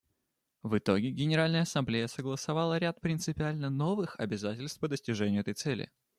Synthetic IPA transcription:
vɨt̪o̞ɡʲɪɡʲɪnʲɪɾalʲnəjəɐsɐmblʲejəsəɡlˠəsɐvɑlˠəɾʲat̪̚pɾʲɪnt̪sɨpʲɪalʲnəno̞vɨxɐ̰bʲɪzatʲɪlʲst̪̚pəd̪əsʲtʲɪʐɛnʲɪjʊɛt̪əjt̪sɛlʲɪ̰

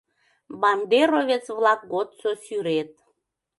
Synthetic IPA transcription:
bɑnd̪eɾoβet͡sβlɑk̚ɡot̪sosyɾet̪̚

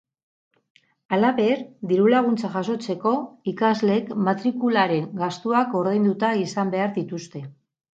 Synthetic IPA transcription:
alaβe̞ɾd̪iɾulaɣ̞unt͡saʝaso̞t͡se̞ko̞ikazle̞kmat̪ɾikulaɾe̞ŋɡast̪uako̞ɾðejnd̪ut̪aisambe̞aɾðit̪ust̪e̞

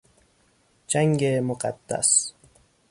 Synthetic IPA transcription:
d͡ʒaŋɡemʊqa̰d̪̥ːa̰s

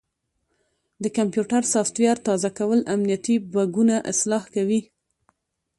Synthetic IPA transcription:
d̪əkampjuʈaɾsɑft̪wjaɾt̪ɑzakawəlamnijat̪ibaɡunaʔɪslɑhkawi

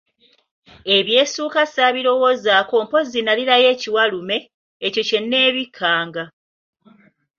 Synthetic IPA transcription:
e̞βje̞ːsuːkasaβiɾo̞wo̞ːzaːko̞ːmpo̞zinaliɾaje̞ːciwalume̞ː | co̞ce̞nːe̞ːβikʰːaːŋɡa

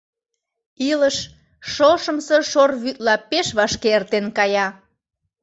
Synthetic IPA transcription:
iləʃ | ʃoʃəmsəʃorβyt̪lɑpeʃβɑʃkeert̪enkɑjɑ

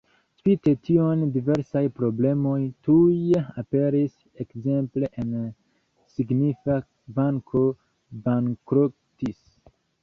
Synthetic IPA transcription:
spite̞tiondive̞ɾsajpɾo̞ble̞mo̞jtujape̞ɾis | ekze̞mple̞ʔen | siɡnifa | baŋkʰo | baŋkɾop | tis

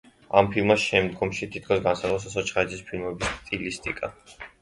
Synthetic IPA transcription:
ampʰilˠmasʃɛmd̪ɡɔmʃit̪ʰit̪̚ʰkʰɔs̬ɡansaɔs̬asɔt͡ʃʰχaɛd̪zʰispʰilˠmɛbisst̪ʼilist̪ʼikʼa

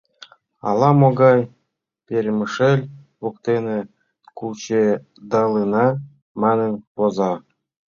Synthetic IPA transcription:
ɑ̰lˠɑmoɡɑj | pʲeɾʲməʃelʲ | βokt̪ene | kult͡ɕe | d̪ɑlənɑ | mɑnənpozɑ

